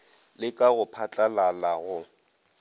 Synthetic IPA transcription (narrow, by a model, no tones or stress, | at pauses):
lɪkʼaɣʊpʰat͡ɬʼalalaɣʊ